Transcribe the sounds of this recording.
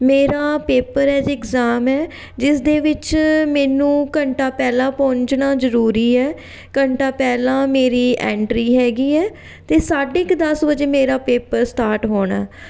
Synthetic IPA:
meːɾaːpeːpəɾɛːd͡ʒɪkzaːmɛː | d͡ʒɪsd̪eːʋɪt͡ʃmɛːnũːkəɳʈaːpɛːlãːpɔ̃ːɲd͡ʒnaːzəɾuːɾiːɛː | kəɳʈaːpɛːlãːmeːɾiːʔɛ̃ːɳʈɾiːɦɛːɡiːɛː | t̪eːsaːɖeːkd̪əsbəd͡ʒeːmeːɾaːpeːpəɾsʈaːɾʈɦoːɳɛː

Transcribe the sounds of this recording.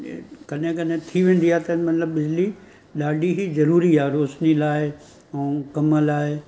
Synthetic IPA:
kɐɗẽkɐɗɦẽt̪ʰiʋẽːn̆d̪iaːt̪ɐmɐt̪ləbbɪd͡ʑli | ɗaːɖiɦizɐɾuːɾiaːɾoːʃnilaːɪ | ɛ̃ːkɐməlaːɪ

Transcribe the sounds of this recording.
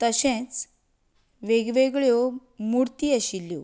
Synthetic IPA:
t̪əɕẽt͡s | ʋeɡʋeɡɭjɔmuɾt̪iːəɕilːjo

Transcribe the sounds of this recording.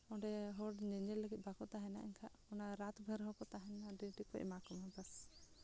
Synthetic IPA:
ɔɖɛɦɔɖɲəɲd͡ʒələɡit̪̚ˀbakɔt̪aɦɛna̰ʔiɲkʰaʔɔnaɾat̪bʱəɾɦɔ̃kɔt̪aɦɛnaɖiʈikpɔ̰ʔmakɔmabas

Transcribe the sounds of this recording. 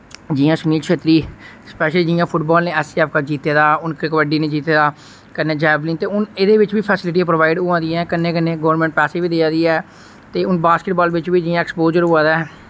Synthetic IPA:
d͡ʒɪːãːsʊniːlkʃʰeːt̪ɾiːspɛːʃliːd͡ʒɪjãːpʰʊʈbɔːlnẽːɛːsiɛːpkad͡ʒiːt̪eːd̪aːʊnkɪkʋəɖiːneːd͡ʒiːt̪eːd̪aː | kənːeːd͡ʒɛːblɪ̃nt̪eːʊned̪eːbɪt͡ʃbiːpʰɛːsɪlɪʈ̬iːãːpɾoːʋaːɪɖʊːãːd̪iːɛ̃ːkənːẽːkənːeːɡoːʋəɾmɛ̃ːɳʈ̚pɛːseːʋiːd̪eːd͡ʒãːd̪iːɛː | t̪eːʊnbaːskɪʈbaːlʋɪt͡ʃbiːd͡ʒɪːãːɛkspoːd͡ʒəɾɦoːaːd̪ɛː

